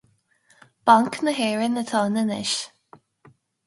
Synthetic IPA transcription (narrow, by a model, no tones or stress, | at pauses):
b̥aŋknəɦeːɹɪnət̪ʰɔːnənɪ̰ʃ